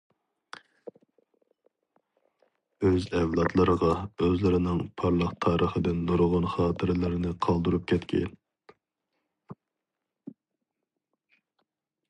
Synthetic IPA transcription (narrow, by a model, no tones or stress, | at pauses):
øzɛvlˠɑt̪ʰlˠəɾəʁɑøzlɪɾɪnɪŋpʰɑɾlˠəχt̪ʰɑːɾʔəχəd̪ɪnlˠoɾʁʊnχɑːt̪ʰɨɾlɪɾɪnɪqʰɑlˠd̪uɾup̚kʲʰɛt̪kʲʰɛ̰n